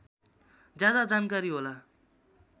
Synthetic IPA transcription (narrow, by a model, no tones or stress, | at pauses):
d͡zjad̪ad͡zankaɾiɦola